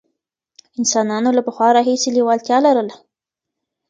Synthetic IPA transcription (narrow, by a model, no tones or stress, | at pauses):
ɪnsɑnɑnolapəxwɑɾɑɦiselewɑlt̪jɑlaɾəla